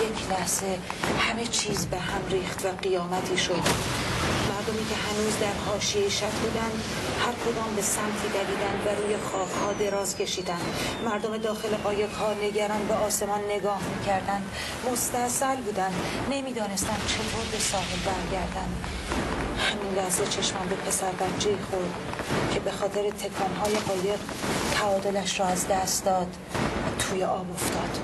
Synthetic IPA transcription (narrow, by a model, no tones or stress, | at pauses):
jecʰlæhze̞hæme̞t͡ʃʰiːzbeɦæmriːχt̪væɢijɒːmæt̪ʰiːʃo̞d̪ | mæɾd̪omiːcʲʰe̞ɦænuːzd̪æɾhɒːʃijejiʃæt̪ʰbuːd̪ænd̪ | hæɾkʰo̞d̪ɒːmbe̞sæmt̪ʰiːd̪æliːd̪ænd̪væɾuːje̞xɒːbhɒːd̪e̞ɾɒːzkcʰe̞ʃiːd̪ænd̪mæɾd̪ome̞d̪ɒːxe̞leʔɒːjekʰɒːɾne̞ɡæɾɒːnbeɒːse̞mɒnːe̞ɡɒːhmiːcʰæɾd̪ænd̪̥ | mo̞st̪æsælbuːd̪ænd̪ | ne̞miːd̪ɒːne̞st̪ænd̪̥̚t͡ʃʰe̞boɾd̪esɒːɦelbæɾɟæɾd̪ænd̪ | hæminlæhze̞t͡ʃʰe̞ʃmɒnb̪e̞pʰe̞sæɾbæɾd͡ʒeixoɾd̪ | cʰe̞be̞xɒːt̪ʰe̞ɾet̪ʰe̞kʰɒːnɦɒːjeɣɒːje̞ʁ | t̪ʰæɒːd̪o̞læʃɾɔːæzd̪æst̪d̪ɒːd̪ | t̪ʰuːjeʔɒːbo̞ft̪ɒːd̪̥